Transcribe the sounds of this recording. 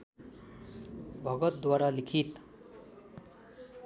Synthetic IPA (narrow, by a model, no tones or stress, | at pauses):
bʱʌɡʌt̪̚d̪waɾalikʰit̪